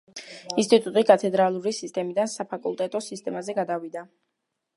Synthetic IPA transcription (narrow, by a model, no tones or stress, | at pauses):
inst̪ʼit̪ʼut̪ʼikʼat̪ʰɛd̪ɾalˠuɾisist̪ʼɛmid̪ansapʰakʼulˠt̪ʼɛt̪ʼɔsist̪ʼɛmazɛɡad̪avid̪a